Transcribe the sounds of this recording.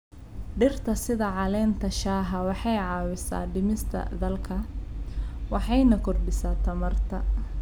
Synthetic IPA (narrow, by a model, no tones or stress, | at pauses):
ɖɪrt̪ʰɐsɪðɐʕɑlɛːnt̪ʰɐʃaːɦɐwɑħɑjʕɑːwɪsa̰ːɖɪmɪst̪ʰɐ̰d̪ɐlkʰɐ | wɑħɑjnɐkʰɔrɖɪsaːt̪ʰɐmɐrt̪ʰɐ